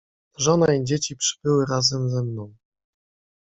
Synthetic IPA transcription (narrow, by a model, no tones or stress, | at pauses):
ʐɔnaid͡ʑet͡ɕipʂɘ̥b̥ɘwɘɾazɛmzɛmnɔ̃w̃